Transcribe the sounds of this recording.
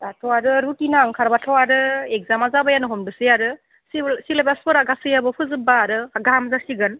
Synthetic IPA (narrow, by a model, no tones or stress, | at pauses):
atʰɔwaɾɯɾutinaːŋkʰaɾbatʰawaɾɯeɡ̚zamazabajanɯɦɔmdɯsɯjaɾɯ | sisilabaspɔɾaɡasɯjabɯpʰɯzɯbaːɾɯaɡamzasiɡɯn